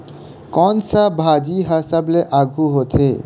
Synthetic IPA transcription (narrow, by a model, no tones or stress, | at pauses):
kɔnsabʱad͡ʒiɦasəbleʔaɡʱuɦot̪ʰḛ